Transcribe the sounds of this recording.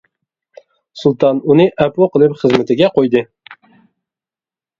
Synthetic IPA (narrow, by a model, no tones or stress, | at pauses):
sulˠt̪ʰɑnunɨʔɛpoqəlˠɨpχəzmɪt̪ʰɪɡʲɛqʰojd̪ɨ